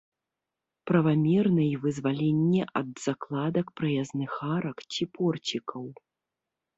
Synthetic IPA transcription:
pɾɐvamʲɛrnɐjvɨzvalʲɛnʲːɛʔɐd̪z̥aklˠad̪ɐkpɾɐjaznɨxaɾɐkt͡sʲipɔrt͡sʲikʰɐw

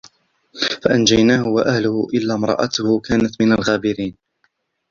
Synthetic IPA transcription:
faʔand͡ʒajnaːhʊwaʔahlʊhʊʔɪlːaːmɾˤɑ̰ːʔɑt̪ʊhʊkaːnat̪mɪnalɣaːbɪɾiːn

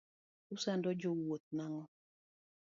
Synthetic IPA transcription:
usandɔd͡ʒowot̪̚naŋɔ

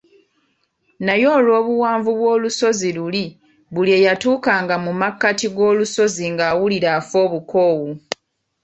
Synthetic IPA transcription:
najo̞ːlwo̞ːβuwaːɱvuβwo̞ːluso̞ziluli | βuliejatuːkaːŋɡamumakːatiɡo̞ːluso̞ziŋɡaːwuliɾafo̞ːβuko̞ːwu

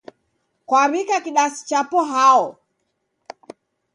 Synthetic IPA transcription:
kwaɾikakiɗasi̥t͡ʃapɔɦaɔ

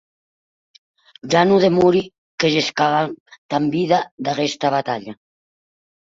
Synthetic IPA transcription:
d͡ʒanuðemuɾi | keʒeskaβat̪ambiðad̪aɣest̪aβat̪aʎa

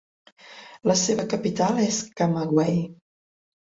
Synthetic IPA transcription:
ləseβəkəpit̪aleskamaɣwɛj

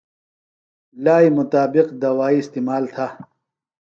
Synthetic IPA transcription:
laːimʊt̪aːbɪqd̪ɐwaːiɪst̪iːmaːlt̪ʰaː

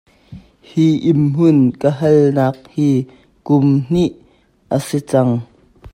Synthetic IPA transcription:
hiʔimɦʊnkəɦɐlnaːk̚hiː | kʊmn̥iʔ | ʔəsit͡sɐŋ

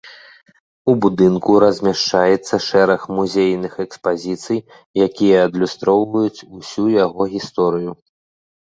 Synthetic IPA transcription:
ubud̪ɨnkuɾɐzʲmʲaʂt͡ʂajɛt̪sːɐʂɛɾɐxmuzʲejnɨxɛkspazʲit̪sɨj | jakʲijɐːd̪lʲust̪ɾɔwvɐjut͡sʲusʲujaɣɔɣʲist̪ɔɾɨju

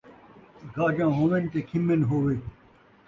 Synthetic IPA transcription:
ɡaːd͡ʑãːɦõːʋent̪ekʰimenɦoːʋeː

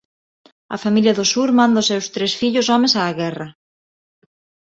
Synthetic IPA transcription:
ɐ̰familjɐðʊsuɾmãnd̪ʊsɛwst̪ɾesfiʎʊsɔmẽsaːɣɛrɐ

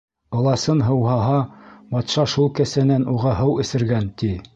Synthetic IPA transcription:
ɤ̆lˠɑsɤnɦɤ̆wɦɑɦɑbɑt̪ʃɑʃulˠkæ̆sænænuʁɑɦɤwɘ̆sɘ̆ɾɡænt̪i

